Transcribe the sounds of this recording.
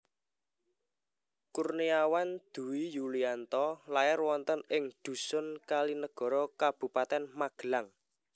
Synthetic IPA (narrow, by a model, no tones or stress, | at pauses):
kurniawand̪̥ṳwijuliant̪ɔlaɪrwɔnt̪ənɪŋd̪̥ṳsʊnkalinəɡ̥ɔ̤ɾɔkab̥ṳpat̪ɛnmaɡ̥əlaŋ